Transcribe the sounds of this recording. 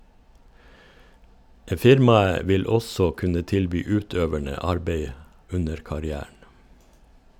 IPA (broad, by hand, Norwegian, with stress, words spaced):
ˈfɪɾmɑə ˈʋɪl ˈɔsɔ ˈkʉnə ˈtɪlbyː ˈʉːˌtøːʋæɳə ˈɑɾbeɪ ˈʉnəɾ kɑɾɪˈæːɳ̩